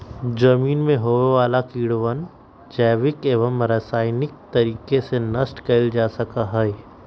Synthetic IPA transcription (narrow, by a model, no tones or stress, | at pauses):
d͡ʒɐmiːnmẽɦoːʋeʋaːlakiːɽʋən | d͡ʒɛːʋɪkeːʋəmɾɐsaːɪnɪk̚t̪ɐɾiːkesenɐsʈkeɪld͡ʒaːsɐkaɦɛɛ